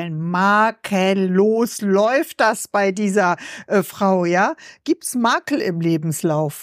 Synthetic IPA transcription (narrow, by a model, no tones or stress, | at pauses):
nmaːkʰənloːslɔʏft̚d̥asb̥aɪdiːzɐʔəfʁ̥aʊjaːɡ̥iːp̚tsmaːkl̩ɪmleːbm̩slaʊf